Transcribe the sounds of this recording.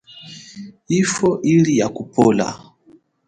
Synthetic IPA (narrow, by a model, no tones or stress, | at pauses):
ifɔʔilijakupɔla̰